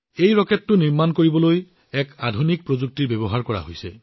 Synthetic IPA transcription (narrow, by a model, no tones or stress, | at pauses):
ejɹɔkɛtːʊniɹmankoɹibɔloj | ɛkadʱunik̚pɹozuk̚tiɹbebɔɦaɹkɔɹa̰ɦojsɛ̰